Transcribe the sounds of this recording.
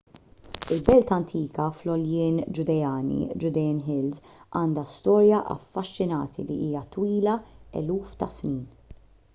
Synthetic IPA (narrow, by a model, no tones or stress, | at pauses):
ɪlbɛlt̪ɐnt̪ʰiːkɐflɔljɪːnd͡ʒʊd̪ɛjɐːnḭd͡ʒʊd̪ɛjnɦɪlzʔɐːnd̪ɐst̪ɔːɾjɐʔɐ̰fːɐʃːɪnɐ̰ːt̪ʰḭlḭʔiːjɐt̪wiːlɐɛ̰luːft̪ɐsniːn